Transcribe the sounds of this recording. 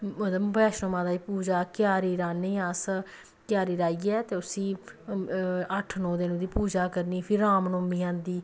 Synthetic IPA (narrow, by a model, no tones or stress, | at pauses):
ət̪mbɛːʃnõːmãːd̪aːiːpuːd͡ʒaːkjaːɾiːɾaːniːas | kjaːɾiːɾaːiːɛːt̪eːʊsĩː | əʈʰnɔ̃ːd̪enũːd̪iːpuːd͡ʒaːkəɾniːpʰɪɾaːmnõːmiːãːnd̪iː